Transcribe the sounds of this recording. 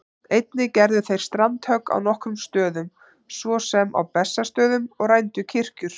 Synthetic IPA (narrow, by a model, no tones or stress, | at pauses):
ejt̪nɪcɛɾðʏθejɾ̥st̪ɾant̪hœkːa̰wnɔhkɾʏmst̪œːðʏm | svɔsɛma̰wpɛsːast̪œːðʏmɔɣrajnt̪ʏcʰɪr̥cʏɾ̥